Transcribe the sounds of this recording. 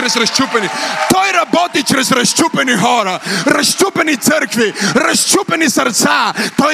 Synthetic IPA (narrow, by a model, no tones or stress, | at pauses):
ɾɛzɾɐʃt͡ʃupɛnit̪ɔjɾɐbɔt̪it͡ʃɾɛzɾɐʃt͡ʃupɛniɦɔɾaɾɐʃt͡ʃupɛnit̪səɾkviɾɐʃt͡ʃupɛnisəɾt̪sat̪ɔ